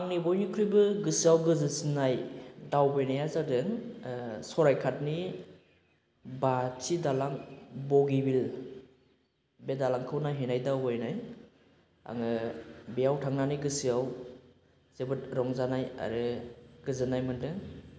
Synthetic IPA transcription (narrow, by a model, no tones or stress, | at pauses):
aŋnibɔjnikʰɾujbɯɡɯsiawɡɯzɯsinajdawbɯjnajazadɯŋ | sɔɾajkʰat̚ni | batʰidalaŋbɔɡibil | bedalaŋkʰɯwnajɦenajdawbajnaj | a̰ŋɯbijawtʰaŋnanijɡɯsiaw | z̥ebɯtɾɔŋzanaja̰ɾɯɡ̥ɯzɯnajmɯndɯŋ